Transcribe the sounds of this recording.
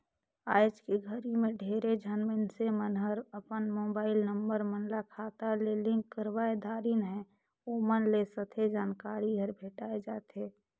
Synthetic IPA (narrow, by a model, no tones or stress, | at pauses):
aːd͡ʒkeɡʱəɾimẽɖʱeːɾed͡ʒʱənmɪnsemənɦəɾəpənmoːbaːɪlnəmbəɾmənlakʰaːt̪alelɪ̃ŋkːəɾwaːed̪ʱaːɾinɦɛ̃ | omənlesət̪ʰed͡ʒaːnkaːɾiɡʱəɾbʱeːʈaːed͡ʒaːt̪eː